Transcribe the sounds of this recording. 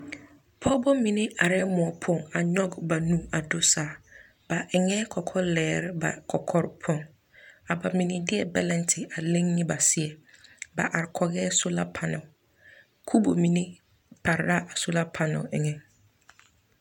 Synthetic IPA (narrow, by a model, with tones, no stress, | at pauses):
pʰɔ˦bɔ˦mĩ˨nɪ̃˦a˨ɾɛ˦mʊ̃˨ɔ˨pʰʊ̃˦˨ŋa˨ɲɔ̃˦ɡba˨nũ˦a˨do˦saː˨ | ba˨ɛ˨ŋɛ̃˦kʰɔ˨kʰɔ˦lɛː˨ɾba̰˨kʰɔ˨kʰɔ˦ɾpʰɔ̃˦˨ŋ | a˨ba˨mĩ˨nĩ˦dɪ˦ɛ˨bɛ˦lɛ̃˨ntʰɪ˨a˨lẽ˦ŋnĩ˦ba˨sɪ˨˦ɛ˨ba̰˨ʔa˨ɾkʰɔ˨ɡɛː˦sʊ˦la˦pʰa˨nʊ̃˨ | kʰu˦bo˨mĩ˨nĩ˦ | pʰa˨ɾa˦ʔa˨sʊ˦la˦pʰa˨nʊ̰̃˨ɛ˨ŋɛ̃˨